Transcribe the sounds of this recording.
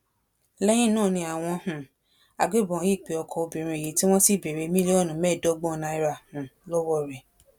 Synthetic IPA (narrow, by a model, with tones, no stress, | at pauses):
lɛ˦j̃ĩ˦nãː˦˨nĩ˧a˨w̃ɔ̃˧hũ˨ | a̰˨ɡ͡be˦˨bɔ̃˨˦ji˦˨k͡pe˨˦ɔ˧kʰɔ˧o˧bĩ˨ɾ̃ũ˧e˨ji˨˦ti˦w̃ɔ̃˦si˦˨be˨ɾe˧˦mĩ˦li˦ɔ˦˨nũ˨˦mɛ˦˨dɔ˦ɡ͡bɔ̃˦˨na˧i˧ɾa˨hũ˨lɔ˦wɔ˦˨ɾɛ˨